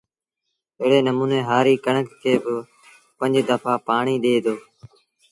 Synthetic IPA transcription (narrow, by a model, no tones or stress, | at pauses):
ɪɦɽeːnəmũːnẽːɦaːɾiːkəɳəkːeːbɪ | pə̃ɲd͡ʒd̪əpʰaːpaːɳiːɗ̪eːd̪oː